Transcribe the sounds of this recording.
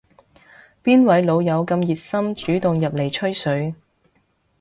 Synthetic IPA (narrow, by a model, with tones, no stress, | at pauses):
piː˥nwɐ˨˥jlo˨˧wjɐ˨˧wkɐ˧mjiː˨t̚sɐ˥mt͡ʃyː˨˥t̪ʊ˨ŋjɐ˨p̚le˨˩jt͡ʃʰɵ˥ɥsɵ˨˥ɥ